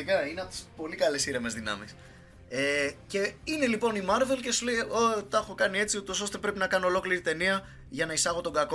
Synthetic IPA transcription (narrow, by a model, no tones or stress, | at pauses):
ikɐineɐp̚t̪i̥spo̞likɐlesiɾeme̞zðinɐ̰mis | ece̞ine̞lipo̞nimɐɾve̞lce̞suleot̪ɐxokɐnie̞t͡siut̪o̞so̞st̪e̞pɾe̞pinɐkɐno̞ːlo̞kliɾit̪e̞niɐ | ʝɐnɐisɐɣo̞t̪o̞ŋɡɐko̞